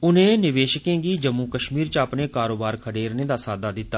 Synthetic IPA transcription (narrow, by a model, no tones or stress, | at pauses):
ʊnẽːnɪʋeːʃəkẽːɡiːd͡ʒəmːuːkəʃmiːɾt͡ʃaːpneːkaːɾoːbaːɾkʰəɽeːɾnẽːd̪aːsaːd̪aːd̪ɪt̪ːaː